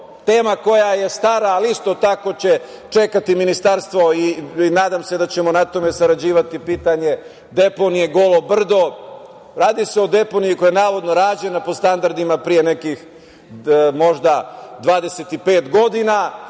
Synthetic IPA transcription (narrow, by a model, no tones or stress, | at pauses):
t̪e̞ːmako̞jaje̞st̪aɾaːlist̪o̞t̪akot͡ɕe̞t͡ʂe̞kat̪iminist̪aɾst̪ʋo̞inaːd̪amse̞d̪at͡ɕe̞mo̞nat̪o̞me̞saɾad͡ʑiːʋat̪ipiːt̪aɲe̞ | d̪e̞po̞nije̞ɡo̞lˠobr̩d̪o̞ | ɾaːd̪iseo̞d̪e̞po̞nijikojenaːʋo̞d̪noɾaːd͡ʑe̞napo̞st̪and̪aɾd̪imapɾije̞ne̞kix | mo̞ʒd̪ad̪ʋaːd̪e̞set̪ipe̞ːt̪ɡo̞d̪ina